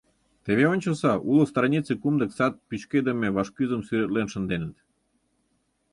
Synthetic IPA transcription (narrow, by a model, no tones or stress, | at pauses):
t̪eβeonʲt͡ɕəlsɑʔuləst̪rɑnʲit͡sekumd̪ə̆ksɑt̪̚pyt͡ɕked̪ə̆mʲeβɑʃkyzə̆msyɾet̪lenʃə̆nd̪enə̆t̪